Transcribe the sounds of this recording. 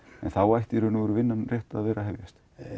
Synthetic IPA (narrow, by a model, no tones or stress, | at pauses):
ɛnθawajht̪ɪɾʏnaɣʏɾʏvɪnːanrjɛht̪aaðvɛːɾaɦɛvjast̪